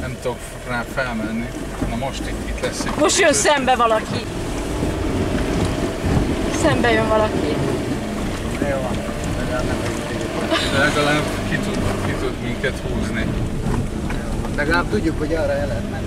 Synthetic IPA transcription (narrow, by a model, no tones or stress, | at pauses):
nɛmt̪ok | raːfɛlmɛnːi | nɔmo̞ʃt̪it̪ːit̪lɛsːimoʃtjønsɛmbɛvɒlɒki | sɛmbɛjøɱvɒlɒki | nɛjoːn | ɛɡaːnɛmɛikeɛt̪ɛlɛɡɒlaːb | kit̪ud̪ot̪kit̪ud̪miŋkɛt̪huːzni | joːnlɛɡɒlaːb̚t̪uɟːukhoɟɒːrːɒɛlɛt̪mɛnː